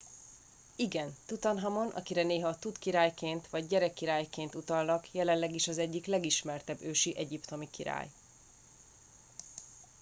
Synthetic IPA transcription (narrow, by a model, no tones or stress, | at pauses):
iɡɛnt̪ut̪ɒnɦɒmo̞nʔɒ̰kiɾɛneːɦɒt̪ut̪kiɾaːjkeːnt̪ʋɒɟːɛɾɛkːiɾaːjkeːnt̪ut̪ɒlnɒkjɛlɛnlɛɡiʃɒzɛɟːiklɛɡiʃmɛrt̪ɛbːøːʃiʔɛɟipt̪o̞mikiɾa̰ːj